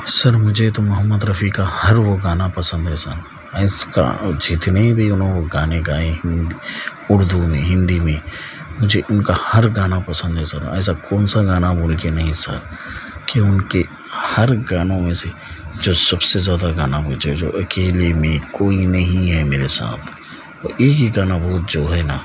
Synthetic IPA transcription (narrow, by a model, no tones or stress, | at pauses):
sɐɾmʊd͡ʒʱet̪omʊɦəmːəd̪ɾɐfʰikahɐɾʋoɡaːnapɐsə̃nd̪ɦɛsɐɾ | ɛːska̰d͡ʒɪt̪nebʱiʊnɦõkoɡaːneɡaːẽɦɪ̃nd̪i | ʊɾd̪ʱumẽɦɪ̃nd̪imẽ | mʊd͡ʒʱeʔʊnkahɐɾɡaːnapɐsə̃nd̪ɦɛsɐɾɛ̰ːsakɔːnsaɡaːnaboːlkenɐɦĩsɐ̰ɾkiʊnke | hɐɾɡaːnõmẽse | d͡ʒoːsɐbsezjaːd̪aɡaːnaboːd͡ʒed͡ʒo̰ːʔɐkeːlemẽkoːinɐɦĩɦɛmeːɾesa̰ːt̪ʰ | ɔːɾeːkiɡaːnabɔɦʊt̪d͡ʒoːɦɛna